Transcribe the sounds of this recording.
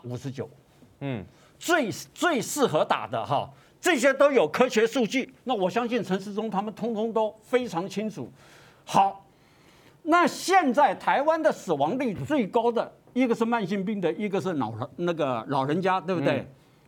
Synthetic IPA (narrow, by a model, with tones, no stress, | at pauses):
u˨˩ʂɻ̩˧˥t͡ɕjo̰˨˩˦ʊ | t͡swe˥˧ɪt͡swe˥˧ɪʂɹ̩˥˩xɤ˧˥t̪a̰˨˩d̪ə̰˦xa˥˧ | ʈ͡ʂɤ˥˩ɕ̬jɛ˥t̪o˥ʊjo˨˩ʊkʰɤ˥ɕɥɛ˧˥ʂu˥˧t͡ɕy˥˩na˥˩wɔ˨˩ɕjɑ˥ŋɕi˥˩nʈ͡ʂʰə˧˥ŋʂ̬ɻ̩˥˧ʈ͡ʂʊ˥ŋt̪ʰa˥mə˨nt̪ʰʊ˥ŋt̪ʰʊ˥ŋt̪o˥ʊfe˥ɪʈ͡ʂʰɑ˧˥ŋt͡ɕʰi˥ŋʈ͡ʂʰṵ˨˩˦ | xɑ˨˧˩ʊ | na˥˧ɕjɛ˥˧nt͡sa˥˩ɪt̪ʰa˧˥ɪwa˥nd̪ə˨sɹ̩˨˩wɑ˧˥ŋt̪i˥˧t͡swe˥˩ɪkɑ˥ʊd̪ə˨ | i˥ɡə˧ʂɻ̩˥˧ma˥˧nɕi˥˧ŋp̬i˥˩ŋd̪ə˨i˥ɡə˧ʂɻ̩˥˩nɑ̰˨˩ʊ˧˦na˥˩ɡə˩lɑ˨˩ʊɻə˧˥nt͡ɕja˥t̪we˥˧ɪbd̪we˥˩ɪ